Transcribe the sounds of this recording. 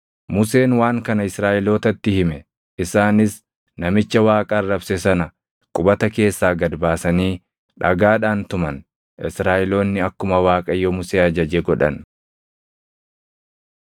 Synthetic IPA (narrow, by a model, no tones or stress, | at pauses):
mʊse̞ːnwaːŋkɐnɐɪsɾaːʔɪlo̞ːt̪ɐt̪ːɪhɪmɛ | ɪsaːnɪs | nɐmɪt͡ʃːɐwaːkʼɐrːɐbsɛsɐnɐ | kʼʊbɐt̪ɐke̞ːsːaːɡɐd̪baːsɐniː | ᶑɐ̰ɡaːᶑaːnt̪ʊmɐn | ʔɪsɾaːʔɪlo̞ːnːɪɐkːʊmɐwaːkʼɐjomʊseːɐd͡ʒɐd͡ʒeːɡɔᶑɐ̰n